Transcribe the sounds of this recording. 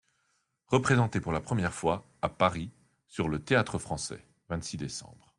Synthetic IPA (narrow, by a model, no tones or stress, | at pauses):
ʁəpχezɑ̃t̪epuʁlapχəmjɛʁfwa | apaʁi | syʁlət̪eat̪χəfχɑ̃sɛ̰ | vɛ̃t̪sid̪esɑ̰̃bʁ